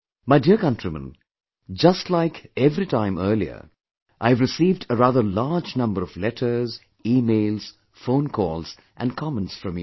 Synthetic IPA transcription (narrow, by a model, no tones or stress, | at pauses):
maɪdiɹkʌ̃ntɹ̥imə̰̃n | d͡ʒʌstlaɪkɛvɾitʰãɪ̃mɜ˞liə̰˞ | ʔaɪvɹɨsiːvdəɹaðə˞laɹd͡ʒnʌ̃mbəɾʌvlɛtʰə˞z | iːmeɪlz̥ | fõʊ̃nkʰɔlˠz̥ | ʔɨ̃nkʰɑmə̃ntsfɹʌ̃mj